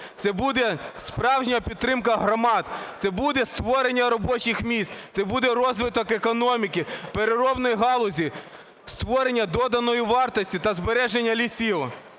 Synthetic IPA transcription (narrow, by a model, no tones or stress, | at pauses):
t̪sɛbud̪ɛspɾɑwʒnʲɐpʲid̪t̪ːɾɪmkɐɦɾɔmɑd̪t̪sɛbud̪ɛst̪ʋɔɾenʲːɐɾɔbɔt͡ʃɪxmʲist̪t̪sɛbud̪ɛɾɔzʋɪt̪ɔkekɔnɔmʲikʲipeɾeɾɔbnɔjɦɑlˠɔzʲi | st̪ʋɔɾenʲːɐd̪ɔd̪ɐnɔjiʋɑrt̪ɔsʲtʲit̪ɐzbeɾɛʒenʲːɐlʲisʲi